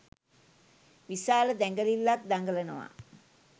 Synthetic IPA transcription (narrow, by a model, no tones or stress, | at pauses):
ʋisaːləd̪æŋɡəlilːak̚d̪aŋɡələnəʋa̰